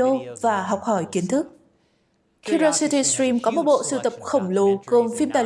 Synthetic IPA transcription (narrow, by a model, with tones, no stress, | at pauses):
o˧vaː˨˩ɦɔ˨˩wk͡p̚hɔ˧˩jki˨˦ənt̪ʰɨ˦˥k̚ | ki˧ɾo˧si˧t̪i˧sɹi˧mkɔ˨˦mo˨˩t̚ɓo̰˧˨sɨ˧˩t̪ə˨˩p̚xə˧˩wŋ͡mlo˨˦ko˨˧˩nfi˧mt̪aː˨˩